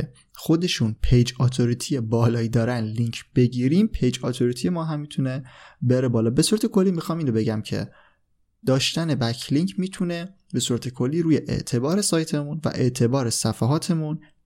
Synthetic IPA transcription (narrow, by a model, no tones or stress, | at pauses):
e | xo̞d̪e̞ʃunpʰejd͡ʒɒːt̪ʰoɾit̪ʰijebɒːlɒːid̪ɒːɾænliŋcʰb̥e̞ɟiːɾiːmpʰejd͡ʒɒːt̪ʰoɾit̪ʰije̞mɒːɦæmːiːt̪ʰunebe̞ɾe̞bɒːlɒːbe̞suːɾæt̪e̞kʰo̞lːimixɒːmiːnɾobe̞ɟæmcʰḛ | d̪̥ɒːʃt̪æne̞bæcʰliŋcʰmiːt̪ʰune̞ | be̞suːɾæt̪ʰe̞kʰo̞lːiːɾuːjeʔḛʔt̪ʰe̞bɒːɾe̞sɒːjt̪ʰe̞munvæ̰ʔe̞ʔt̪ʰe̞bɒːɾesæfæɦɒːt̪ʰe̞mun